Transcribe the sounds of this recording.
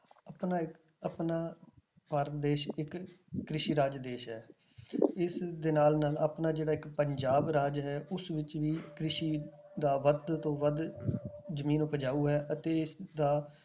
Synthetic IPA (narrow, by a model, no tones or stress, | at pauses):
əpnaːɪ | əpnaː | paːɾt̪d̪eːʃɪkːɾɪʃiːɾaːd͡ʒd̪eːʃɦɛː | ɪsd̪eːnaːlnaːlaːpnaːd͡ʒeːɽaːɪkpəɲd͡ʒaːbɾaːd͡ʒɦɛːʊsʋɪt͡ʃʋiːkɾɪʃiːd̪aːʋəd̪t̪õːʋəd̪ | zəmiːnʊpəd͡ʒaːuːɦɛːʔət̪eːɪsd̪aː